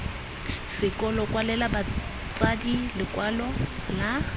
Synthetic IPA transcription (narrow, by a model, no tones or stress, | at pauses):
sɪkʼɔlɔkʼwalɛlaba | t͡sʼadilɪkʼwalɔla